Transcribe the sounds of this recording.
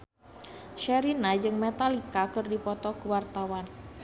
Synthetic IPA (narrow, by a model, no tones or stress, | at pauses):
ʃɛɾinad͡ʒɨŋmɛt̪alikakɨrdipɔt̪ɔkəwart̪awan